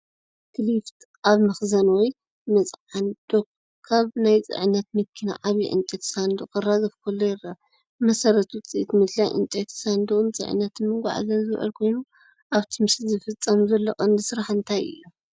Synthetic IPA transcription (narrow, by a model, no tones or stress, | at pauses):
kʰɨlift̪ | ʔaβmɐxzɐnwɔj | mɨt͡sʼand̪̥ok̚ | kʰaβnajt͡sʼɨ̰ʕɨnːɐt̪̚mɨkʰːina̰ʔaβḭʕɨ̰nt͡ʃʼɐt̪sand̪okʼɨrːazɐfkʰɐlːojɪra | mɐsɐɾɐt̪ʰt͡sʼiʔt̪ʰmɨd̪lajʔɨ̰nt͡ʃʼɐt̪sand̪oɨnt͡sʼɨ̰ʕɨ̰nːɐt̪ʰɨnmɨɡʷa̰ʕa̰zɐnzɨβʔɨ̰lkʰo̞jnu | ʔaβt̪ʰimɨszɨfɨt͡sʼːɐmzɐlːokʼɐnd̪ɨsɨɾaħɨnt̪ʰajɨ̰jːo